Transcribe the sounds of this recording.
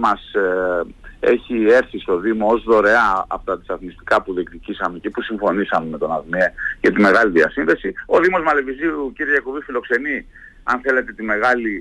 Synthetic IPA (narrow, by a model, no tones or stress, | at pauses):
mɐs | e̞̰çie̞ɾθist̪o̞ðimoozðo̞ɾe̞ɐ̰ːfot̪ɐt̪i̥sɐθnist̪i̥kɐpuðek̚t̪icisɐme̞cepusiɱfo̞nisɐme̞me̞t̪o̞nɐðmieʝɐt̪ime̞ɣɐliðiɐsinðe̞sio̞ðimo̞zmɐle̞viziuciɾeʝɐkovifilo̞kse̞ni | ɐ̰nθe̞le̞t̪e̞t̪ime̞ɣɐli